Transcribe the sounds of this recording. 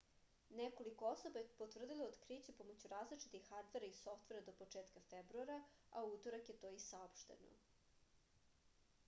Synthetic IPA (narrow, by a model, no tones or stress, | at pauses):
neko̞liko̞osobajepot̪ʋr̩d̪ileod̪kɾiːt͡ɕepomot͡ɕuɾaːzlit͡ʂi̥t̪ixːaɾd̪ʋe̞ɾaiso̞ft̪ʋe̞ɾad̪opo̞t͡ʂeːt̪kafebɾuaɾaaut̪oɾakje̞t̪oːisaopʃt̪ḛno̰